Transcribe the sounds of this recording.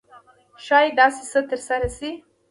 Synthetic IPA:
ʃɑjd̪ɑsisət̪əɾsaɾasi

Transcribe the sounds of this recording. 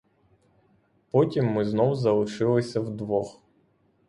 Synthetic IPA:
pɔtʲimːɪznɔwzɐlˠɪʃɪlˠɪsʲɐwd̪ʋɔx

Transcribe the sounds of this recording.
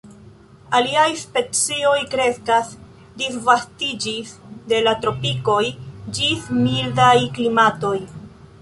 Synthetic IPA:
aliajspe̞t͡sio̞jkɾe̞skas | disvastid͡ʒisde̞latɾo̞piko̞jd͡ʒismildajklimato̞j

